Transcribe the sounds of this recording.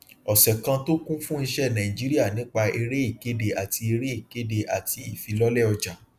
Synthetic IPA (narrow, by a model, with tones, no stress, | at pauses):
ɔ˨sɛ˨kã˧to˦kũ˦fũ˦i˧ʃɛ˦˨nã˨ĩ˨d͡ʒi˦ɾi˦a˦˨nĩ˨˦k͡pa˧e˧ɾe˦i˦˨ke˨˦de˧a˨ti˧e˧ɾe˦i˦˨ke˨˦de˧ʔa˨tʰi˧i˦˨fi˨˧lɔ˦lɛ˦ɔ˧d͡ʒa˨